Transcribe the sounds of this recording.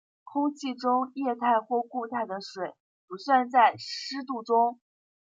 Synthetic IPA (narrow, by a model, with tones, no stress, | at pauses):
kʰʊ˥ŋt͡ɕʰi˥˩ʈ͡ʂʊ˥ŋjɛ˥˧t̪ʰa˥˧ɪxwɔ˥˧ku˥˧t̪ʰa˥˩ɪd̪ə˩ʂwe˨˩˦ɪ | pu˨˧˥ɕɛ˥˧nt͡sa˥˩ɪʂɻ̩˥t̪̬u˥˩ʈ͡ʂʊ˥ŋ